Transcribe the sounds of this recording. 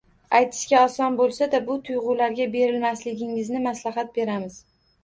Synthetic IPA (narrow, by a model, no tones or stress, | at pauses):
ajt̪ʰɪ̥ʃkʲaɒsɒnbolˠsad̪abʊt̪ʰʊjʁʊlaɾɡʲabe̞ɾɪlmaslɪɡʲɪŋɪznɪmaslaɦat̪̚be̞ɾamɪz̥